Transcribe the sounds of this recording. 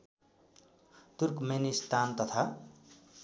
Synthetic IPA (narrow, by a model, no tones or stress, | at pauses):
t̪urkmenist̪ant̪ʌt̪ʰa